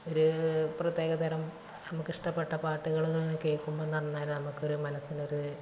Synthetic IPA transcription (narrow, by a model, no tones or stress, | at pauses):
o̞ɾuprɐt̪jeːɣɐt̪ɐɾɐm | nɐmukːiʂʈɐpːeʈːɐpaːʈːuɣɐɭnːukːe̞ːɭkːumboenːuɐɳɐnːaːlnɐmukːo̞ɾumɐnɐsino̞ɾu